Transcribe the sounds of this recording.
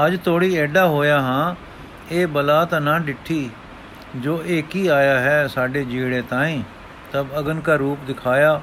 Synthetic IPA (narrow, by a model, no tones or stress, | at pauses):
əd͡ʒt̪ʰoːɽiːɛːɖaːɦoːjaːɦãː | eːbəlaːt̪ãːnãːɖɪʈʰːiː | d͡ʒoːʔeːkiːaːjaːɦɛːsaːɖeːd͡ʒiːɽẽːt̪ãːĩː | t̪əbəɡənkaːɾuːpd̪ɪkʰaːjaː